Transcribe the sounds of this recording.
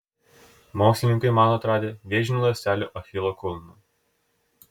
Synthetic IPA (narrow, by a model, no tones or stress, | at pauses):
moːkslʲɪnʲɪ̃ŋkɐɪmɑnɔɐt̪ɾɑːd̪ʲeːʋʲeːʒʲɪnʲulˠɐsʲt̪ʲæːlʲuːˑʔɐfʲɪlˠokʊlˠnuː